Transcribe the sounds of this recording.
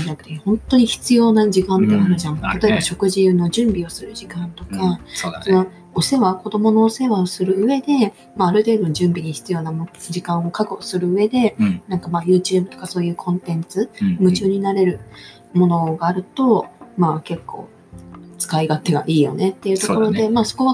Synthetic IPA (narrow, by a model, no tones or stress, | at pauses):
d̪at̪ːehõ̞nt̪o̞ɲ̟içi̥t͡sɨjo̞ːnad͡ʑikãnt̪e̞aɾɯ̟ʑãŋt̪at̪o̞e̞baɕo̞kɯ̟ʑino̞ʑɨ̃mbʲio̞sɨɾɯ̟ʑikãnt̪o̞kassono | ose̞βako̞d̪o̞mo̞no̞ːse̞βaosɨɾɯ̟ɯe̞d̪e̞ | maːɾɯ̟t̪e̞ːd̪o̞ʑɨ̃mbʲiɲ̟içi̥t͡sɨjo̞ːnamd͡ʑikãɰ̃o̞kakɯsɨɾɯ̟ɯ̟e̞d̪e̞nãŋkamajɯ̟ːt͡ɕɨːbɯ̟t̪o̥kaso̞ːjɯ̟ːkʰõ̞nt̪ẽ̞nt͡sɨmɯ̟t͡ɕɨːɲ̟inaɾe̞ɾɯ̟ | mo̞no̞ɡaːɾɯ̟t̪o̞maːke̞kːo̞̰ː | t͡sɨ̥kaiɡat̪ːe̞ɡa̰ʔiːjo̞̰ne̞t̪ːe̞jɯ̟ːt̪o̞ko̞ɾo̞d̪e̞maːso̞ko̞βa